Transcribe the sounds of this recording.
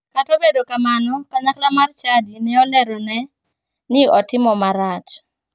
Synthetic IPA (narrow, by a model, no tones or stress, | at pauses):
katobedokamanɔkaɲaklamart͡ʃadinɛɔlɛɾɔnɛ | nɪɔtɪmɔmaɾat͡ʃ